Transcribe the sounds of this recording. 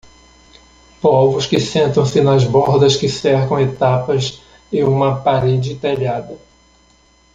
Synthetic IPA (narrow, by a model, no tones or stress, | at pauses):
pɔvʊskɪsẽnt̪ɐ̃w̃sɪnɐzbɔɾd̪ɐskɪsɛɾkɐ̃w̃et̪apɐz | ẽũmɐpaɾed͡ʒɪt̪eʎad̪ɐ